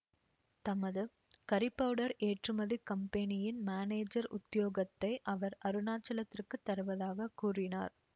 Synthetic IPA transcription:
t̪ɐmɐðɯ | kɐɾɪpːɐʋɽɐɾeːʈrɯmɐðikɐmpɐnɪjɪnmaːneːd͡ʒɐɾʊ̰t̪ːɪjoːɣɐt̪ːɐɪʔɐʋɐɾɐɾɯnaːt͡ʃːɐlɐt̪ːɪrkɯt̪ːɐɾɯʋɐðaːɣɐkuːrɪna̰ːɾ

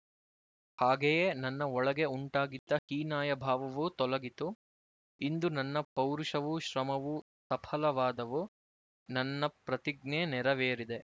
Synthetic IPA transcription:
haːɡejeːnɐnːɐɔɭɐɡe̞uɳʈaːɡid̪ːɐhiːnaːjɐbʱaːʋɐʋut̪ɔlɐɡit̪u | ind̪unɐnːɐpɐwɾuʃɐʋuʃɾɐmɐʋu | sɐpʰɐlɐʋaːd̪ɐʋu | nɐnːɐpɾɐt̪iɡ̚neːnɛɾɐʋeːɾid̪e

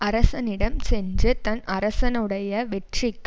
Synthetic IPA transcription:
ɐɾɐsɐnɪɽɐmsɛnd͡ʒɯt̪ɐnɐɾɐsɐnɯɽɐjɐʋɛʈrɪkː

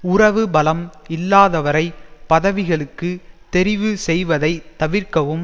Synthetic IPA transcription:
ʊrɐʋɯbɐlɐmɪlːaːðɐʋɐɾɐɪpɐðɐʋɪɣɐɭɯkːɯt̪ɛɾɪʋɯsɛjʋɐðɐɪt̪ɐʋɪrkɐʋɯm

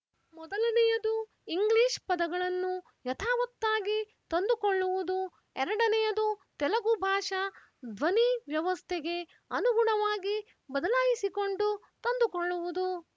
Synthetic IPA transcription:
mɔd̪ɐlɐnɛjɐd̪u | iŋɡliːʃpɐd̪ɐɡɐɭɐnːu | jɐt̪ʰaːʋɐt̪ːaːɡi | t̪ɐnd̪ukoɭːuʋud̪u | ɛɾɐɽɐnɛjɐd̪ut̪ɛlɐɡubʱaːʂɐ | d̪ʋɐniʋjɐʋɐst̪ʰeɡe̞ | ɐnuɡuɳɐʋaːɡi | bɐd̪ɐlaːjisiko̞ɳɖu | t̪ɐnd̪ukoɭːuʋud̪u

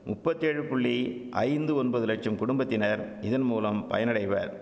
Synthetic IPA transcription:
mʊpːɐt̪ːeːɻɯpʊɭːi | ʔɐ̰ɪnd̪ɯɔnbɐðɯlɐʈ̚t͡ʃɐmkʊɽʊmbɐt̪ːɪnɐɾ | ɪðɐnmuːlɐmpɐ̰jɐnɐɽɐɪʋɐɾ

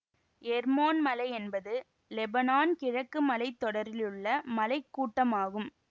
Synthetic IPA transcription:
ɛɾmoːnmɐlɐɪɛnbɐðɯ | lɛbɐnaːnkɪɻɐkːɯmɐlɐɪt̪ːɔɽɐɾɪlɯɭːɐmɐlɐɪkːuːʈːɐmaːɣɯm

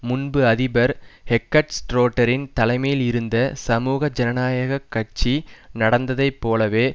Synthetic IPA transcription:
mʊnbɯɐðɪbɐɾhɛkːɐʈsʈɾoːʈːɐɾɪnt̪ɐlɐɪmɐjɪlɪɾɯnd̪ɐsɐmuːɣɐd͡ʒɐnɐnaːjɐɣɐkːɐʈ̚t͡ʃinɐɽɐnd̪ɐðɐɪpːoːlɐʋeː

